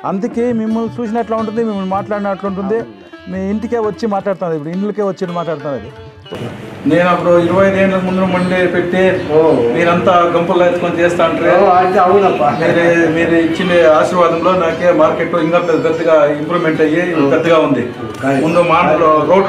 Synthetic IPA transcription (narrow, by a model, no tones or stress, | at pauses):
ɐnd̪ukeːmimːɐlt͡ʃuːt͡ʃinɐʈlaːuɳʈund̪imimːɐlmaːʈlaːɽinɐʈluɳʈ̬und̪i | mːiɳʈikeːʋɐt͡ʃːimaːʈlaːɽt̪aːnd̪ipuɽuiɳʈlɐkeːʋɐt͡ʃːeːʈ̪maːʈlaːɽt̪aːnɐd̪i | ne̞ːnɐpːuɽuiɾuʋɐjɐd̪eːnlɐkmund̪unumɐɳɖipeʈːimiːɾɐnt̪aːɡɐmpɐlːaːet̪ːukont͡ʃɛːst̪aːɐɳʈɐɾeːt̪eɐʋɐnɐpːamiːɾumiːɾuit͡ʃːind̪eaːʃiːɾʋaːd̪ɐmlo̞ːnaːkeːmaːɾkeʈloiŋkaːped̪ɡɐt̪ːɐɡaːimpɾumeɳʈɐjiɡɐt̪ːɐɡaːund̪i | mund̪umaːoɾoː